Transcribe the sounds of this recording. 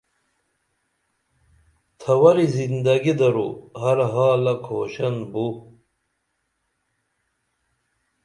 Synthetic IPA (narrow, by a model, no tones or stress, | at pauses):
t̪ʰɐwɐɾizind̪ɐɡid̪ɐɾuɦɐɾɦaːlɐkʰoːɕɐnbu